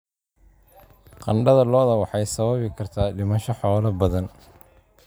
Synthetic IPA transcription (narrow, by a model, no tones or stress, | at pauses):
qɑ̰ɳɖɐðɐlɔːðɐwɑħɑjsɐβɐβɪkʰɐrt̪ʰaːɖɪmɐʃɔħɔːlɐbɐðɐn